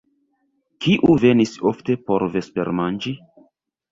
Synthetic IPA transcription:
kiʔuve̞nisofte̞po̞ɾve̞spe̞ɾmand͡ʒi

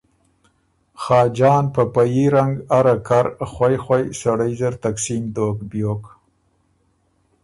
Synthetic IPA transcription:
xɑːd͡ʒɑːnpəpajiɾaŋɡaɾakaɾxwajxwajsaɽajzəɾt̪aksimd̪okbjok

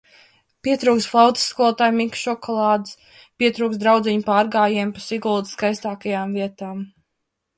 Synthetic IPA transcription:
piɛt̪ɾuːksflˠawt̪i̥sːkuɔlˠt̪aːjmikʃɔkʰɔlˠɑːd̪ɨs | piɛt̪ɾuːksd̪ɾawd̪zʲiɲpaːɾɡaːjiɛmpasiɡuːd̪skajst̪aːkajaːmviɛt̪aːm

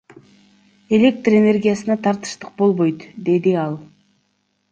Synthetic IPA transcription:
e̞lʲe̞k̚t̪re̞ne̞rɡʲijasənɑt̪ʰɑɾt̪ɨ̥ʃt̪əq̚bo̞lˠbo̞jt̪d̪e̞d̪iɑlˠ

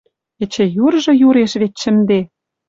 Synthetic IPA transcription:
ɘ̆t͡ɕĕjurʒɤ̆juɾeʃβet̪ʃɘ̆md̪e

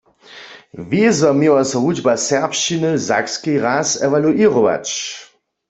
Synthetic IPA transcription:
ʋezɔmewasɔɦud͡ʒbasɛʁpʃt͡ʃinɨza̰kskiʁasɛʋaluʔiʁɔʋa̰t͡ʃ

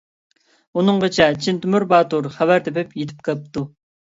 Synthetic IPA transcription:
unɨŋʁət͡ʃʰɛt͡ʃʰint̪ʰymyɾbɑːt̪uɾχævæɾt̪ʰɛpɪpjet̪ʰɪ̥p̚kʰəlˠp̚t̪ːu

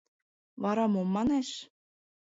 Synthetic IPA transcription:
βɑɾɑmomːɑneʃ

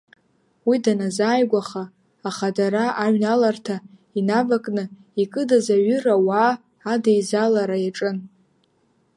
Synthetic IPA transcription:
widanazaːjɡʷaχaː | χadaɾaʔaɥnalartʰa | inavakʼnɨ | ikʼɨdazaɥʏrawaː | dajzalaɾajaʈ͡ʂʼɨn

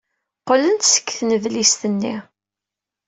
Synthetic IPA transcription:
qələnt̪sə̥kːθnəvlist̪ənːi

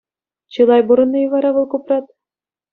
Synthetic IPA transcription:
t͡ɕɯlˠɑjbuɾɤ̆nːɤjɤʋɑɾɑʋɤlˠkuprɑt̪̚

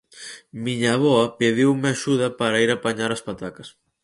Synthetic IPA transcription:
miɲaβɔɐpeðiwmeaʃuðɐpaɾaiɾapaɲaɾaspat̪akɐs

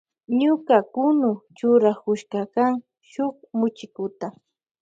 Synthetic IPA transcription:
ɲʊkakʊnʊt͡ʃʊɾakʊʃkakaŋ | ʃʊkmʊt͡ʃɪkʊt̪a

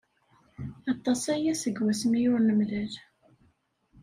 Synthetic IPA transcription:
ɑt̪ˤːɑsæjæsəɡwæsəmijʊɾnəmðəl

